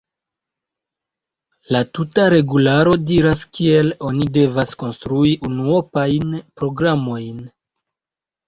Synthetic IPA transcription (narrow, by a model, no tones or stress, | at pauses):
latutaɾe̞ɡulaɾo̞diɾaskie̞lo̞nide̞vasko̞nstɾuiʔunuopajnpɾo̞ɡɾamo̞jn